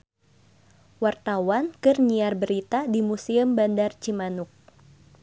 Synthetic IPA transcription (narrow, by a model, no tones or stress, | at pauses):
wart̪awankɨrɲiarbəɾit̪adimusiəmbandart͡ʃimanʊk̚